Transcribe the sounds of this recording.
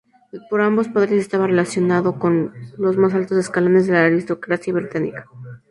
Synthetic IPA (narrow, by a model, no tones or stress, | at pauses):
po̞ɾambo̞spaðeɾese̞st̪aβare̞lasjo̞naðo̞ko̞nlo̞zmas̬alt̪ose̞skalone̞zðe̞laːɾist̪o̞kɾasjaβɾit̪anḭkḁ